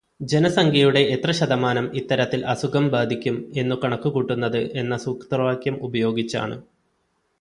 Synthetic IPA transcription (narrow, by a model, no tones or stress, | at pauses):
d͡ʑe̞nɐsɐŋɡʰʱɐjuɽe̞ʔet̪rɐɕɐd̪ɐmaːnɐmit̪ːɐɾɐt̪ːilʔɐsukɐmbaːd̪ʱikʲːume̞nːukɐɳɐkːukuʈːunːɐðɨʔe̞nːɐsukt̪rʋaːkjɐmubɐjo̞ːɡit͡ɕːa̰ːɳɨ̰